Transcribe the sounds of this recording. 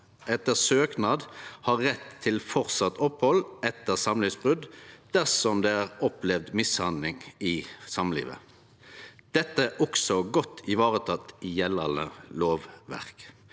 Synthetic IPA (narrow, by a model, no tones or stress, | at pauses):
ʔɛt̪ːəʁsøːknɑːd̪hɑːʁːɛt̪ʰːɪlfɔʁsɑt̪ːʰɔphɔlɛt̪ːəʁsɑmlɪsbʁʉd̪d̪̥æʁsɔmd̪eːæːʁɔplɛʋd̪mɪshɑnd̪lɪŋɪsɑmlḭːʋə̰ | d̪̥ɛt̪ːəʔɔksɔɡɔt̪ʰːɪʋɑːʁət̪ʰɑt̪ːɪjɛlənə̰loːʋʋæ̰ʁk